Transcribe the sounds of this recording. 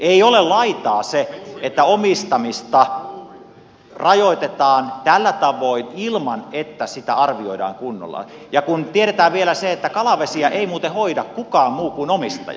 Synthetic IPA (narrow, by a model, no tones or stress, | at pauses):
eiolellɑit̪ɑːseet̪ːæomist̪ɑmist̪ɑ | rɑjoit̪et̪ɑːnt̪ælːæt̪ɑʋoinilmɑnet̪ːæsit̪æɑrʋioidɑ̰ːŋkunːo̰lːɑ̰jɑkunt̪ieɾet̪æːʋʋielæseet̪ːækɑlɑʋesiɑʔeimuːt̪ehoidɑkkukɑːmmuːkunomist̪ɑ̰j